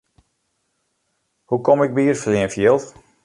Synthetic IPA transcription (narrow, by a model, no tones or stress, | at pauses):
hukomɪk̚biːərfəliənfjɪlˠt